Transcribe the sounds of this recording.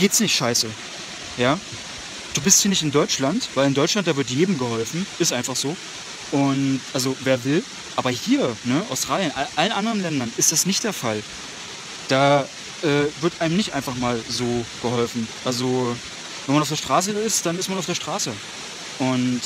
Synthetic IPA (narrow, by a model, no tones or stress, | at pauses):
ɡ̥eːtsnɪçtʃaɪsə | jaː | d̥uːbɪsthiɐnɪçtɪndɔʏt͡ʃlantv̥aɪlɪndɔʏt͡ʃlant̚d̥aːvɪɐt̬jeːdm̩ɡəhɔlfn̩ʔɪstʔaɪnfaχz̥oː | ʔʊntʔalzoveːɐvɪl | ʔaːbɐhiːɐnəʔa̰ʊstʁ̥aːljənʔaʔalənʔandəʁənlɛndɐnʔɪstd̥asnɪçt̚d̥eːɐfal | d̥aː | ʔɛːvɪɐtʔaɪnəmnɪçtʔaɪnfaχmaːlzoːɡ̥əɦɔlfn̩ʔalzo | vɛnmanaʊfdeːɐʃtʁ̥aːs̬əɪstd̥anɪstmanaʊfd̥eːɐʃtʁ̥aːsə | ʔʊnt